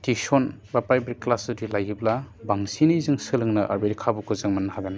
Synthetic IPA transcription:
tisɔnbapajbɾiklasudilajibla | baŋsiniizɯŋsɯlɯŋnɯʔa̰ɾbeɾikʰabukʰɯzɯŋmanːhaɡan

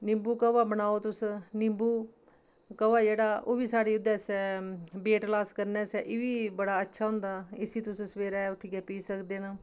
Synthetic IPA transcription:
nɪmbuːkəʋaːbənaːoːt̪ʊsnɪmbuː | kəʋaːd͡ʒeːɽaːʔoːbiːsaːɽeːʊd̪ɛːsɛːbeːʈlaːskəɾnɛːsɛːʔɪʋiːbəɽaːətːʃʰaːɦʊ̃nd̪aːɪsiːt̪ʊsũːsʋeːɾaːɛʊʈʰiːkɛːpiːsəkd̪eːnaː

